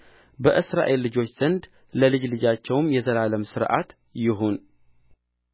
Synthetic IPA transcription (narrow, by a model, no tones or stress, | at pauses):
bəʔɨsɾa̰ʔe̞lːɨd͡ʒo̞t͡ʃːz̥ənd̪ | ləlɨd͡ʒlɨd͡ʒat͡ʃːɛwmjɛzəlaləmsɨɾʔa̰t̪ | jɪɦun